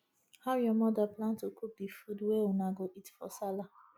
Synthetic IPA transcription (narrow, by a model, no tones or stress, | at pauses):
haʊjɔmɔdaplãntokʰup̚difudweunaɡoʔitfɔ̰sala